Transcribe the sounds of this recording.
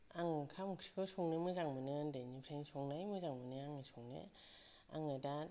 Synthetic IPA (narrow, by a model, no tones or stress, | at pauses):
aŋkʰamkʰɾi̥kʰɯsɔŋnɯmɯzaŋmɯnɯdajnipʰɾajnsɔŋnajmɯzaŋmɯnɯaŋɯsɔŋnḛ | a̰ŋada